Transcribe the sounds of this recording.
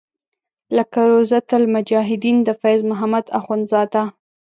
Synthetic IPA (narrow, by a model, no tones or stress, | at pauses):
ləkaɾozat̪almʊd͡ʒɑɦɪd̪ind̪əfajzmʊɦamad̪a̰xunzɑd̪a